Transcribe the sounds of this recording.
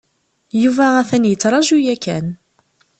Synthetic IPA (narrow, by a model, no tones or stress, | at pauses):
juvææθænjət͡sːɾˤɑʒujækːæn